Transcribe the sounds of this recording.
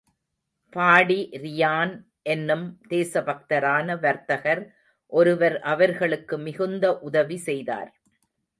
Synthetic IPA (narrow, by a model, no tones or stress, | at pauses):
paːɽiɾɪjaːn | ʔɛnːɯmd̪̥eːsɐbɐk̚t̪ɐɾaːnɐʋɐɾt̪ɐɣɐɾ | ʔɔɾɯʋɐɾʔɐʋɐɾɣɐɭɯkːɯmɪɣɯnd̪ɐʔʊðɐʋisɛjða̰ːɾ